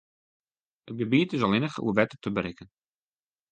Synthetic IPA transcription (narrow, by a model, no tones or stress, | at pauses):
ət̚ɡəbiːtɪzɑlˠɪnəχəṵəʋɛtətəbəɾɪkən